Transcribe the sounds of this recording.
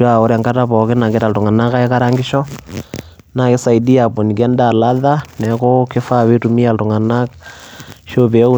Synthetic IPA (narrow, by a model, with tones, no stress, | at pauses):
a˨o˦ɾɛ˨ŋka˦ta˦pɔ˨ke˦na˨ŋɡe˦ɾa˨ltu˨ŋa˨na˦ka˦ɛ˦ka˦ɾa˦ŋɡi˦ʃɔ˦ | na˨ke˦sa˨i˨di˦a˨po˨ni˨kɛ˦nda˨la˦ða˦nɛ˨ko˦ke˦fa˦we˦tu˨mi˦a˨ltu˨ŋa˨na˦k | ʃo˦be˨˦u˦